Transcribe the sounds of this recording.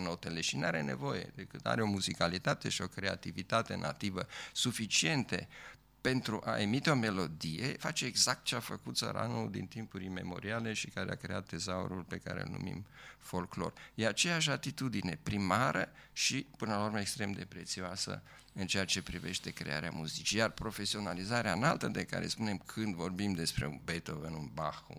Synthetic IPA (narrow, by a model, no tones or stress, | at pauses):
no̞t̪eleʃinaɾe̞ne̞̰vo̞je̞̰d̪ekɨt̪a̰ɾeo̞muzikalit̪at̪e̞ʃio̞kɾe̞a̰t̪ivit̪at̪e̞nʔa̰t̪ivəsufit͡ʃie̞nt̪ḛ | pe̞nt̪ɾuʔaʔe̞mit̪eo̞me̞lo̞d̪ijḛfat͡ʃe̞ːɡzak̚t̪̚t͡ʃeafəkut̪sə̰ɾa̰nuld̪ḭnt̪impuɾime̞̰mo̞̰ɾiale̞ʃikaɾea̰kɾe̞̰at̪̚d̪e̞zao̰ɾulpe̞ka̰ɾḛɨ̰lnṵmḭmfo̞lklo̞̰rjeat͡ʃe̞jaʃ̬at̪it̪ud̪ine̞pɾimaɾə̰ | ʃipɨnəlaurməekst̪ɾe̞md̪e̞pɾe̞t̪sioasə̰ | ɨnt͡ʃe̞jat͡ʃe̞pɾive̞ʃt̪e̞kɾe̞̰a̰ɾea̰muzit͡ʃijarpɾo̞fe̞sio̞nalizaɾeanalt̪əd̪e̞ka̰ɾe̞̰spune̞mkʰɨnd̪vo̞rbimd̪e̞spɾe̞ṵnbet̪ovənunbaxṵ